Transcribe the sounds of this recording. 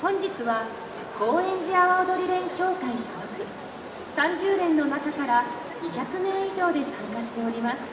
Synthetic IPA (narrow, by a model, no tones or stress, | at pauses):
hõ̞ɲ̟d͡ʑit͡sɨβa | ko̞ːẽ̞ɲ̟d͡ʑiaβaod̪o̞ɾʲiɾẽ̞ŋkʲo̞ːkaiɕit̪okɯ̟ | sãɲ̟d͡ʑɨːɾẽ̞nːo̞nakakaɾa | ɲiçʲakɯ̟mẽ̞ːiʑo̞ːd̪e̞sãŋkaɕi̥t̪e̞o̞ɾʲimasɨ̥